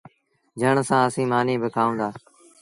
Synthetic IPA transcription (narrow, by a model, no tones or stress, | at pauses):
d͡ʒəɳsãːəsĩːmaːnieːbəkʰaːõːnd̪aː